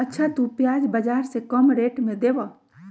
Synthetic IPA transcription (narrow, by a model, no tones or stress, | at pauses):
ətːʃʰat̪upjad͡ʒbəd͡ʒaɾsẽkəmɾeʈmẽd̪ebə